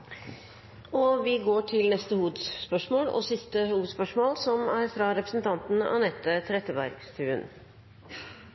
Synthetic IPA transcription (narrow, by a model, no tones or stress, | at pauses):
ɔʋɪɡoːʈʰɪlnɛst̪əhuːd̪sspœʂmoːlɔ̰sɪst̪əhuːspœʂmoːlsɔmæɾfɾɑɾɛpɾəsn̩t̪ʰɑnt̪n̩ɑ̰nɛt̪ːət̪ʰɾɛt̪ːəbæ̰ɾɡst̪ʰʉːən